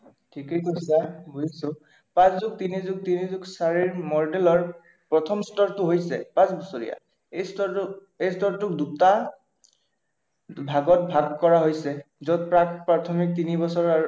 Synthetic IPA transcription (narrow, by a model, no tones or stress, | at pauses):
tʰikejkosabojsʊ | pãszʊɡ̚tinizuɡ̚tinizʊksaɹiɹmɔɹɖelɔɹ | pɹɔtʰɔmstɔɹtʊɦojsɛ̰pãsbɔsoɹija̰ | esɔ | ejstɔɹtʊk̚duta | bʱaɡɔt̚bʱaɡkːɔɹaɦojsɛzɔt̚pɹakpɹatʰɔmik̚tinibɔsɔɹa